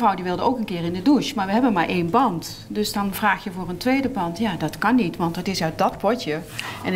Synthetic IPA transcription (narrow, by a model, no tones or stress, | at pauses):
rɔwdiʋɪlˠdəowkənkɪːrɪndəduʃmaːɹʋəɦɛbənmaːɹʔejnbɑnt | dɵsdɑnvraːxjəvʊːrəntʋejdəbɑntjaːdɑtkɑnːitʋɑntɑtɪsœɥt̚dɑtpɔtjə | ɛn